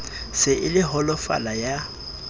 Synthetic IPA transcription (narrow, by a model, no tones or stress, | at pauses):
sɪʔɪlɪɦɔlɔfa̰laja